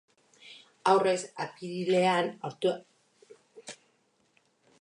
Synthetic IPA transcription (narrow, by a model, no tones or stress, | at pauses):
awre̞sapiβile̞anoɾt̪u